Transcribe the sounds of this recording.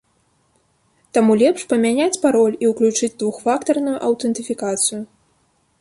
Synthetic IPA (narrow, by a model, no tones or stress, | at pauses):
t̪amulʲɛpʂpɐmʲanʲat͡sʲpaɾɔlʲiwklʲut͡ʂɨd͡zʲd̪vuxfakt̪ɐrnujuʔɐwt̪ɛnt̪ɨfʲikat̪sɨju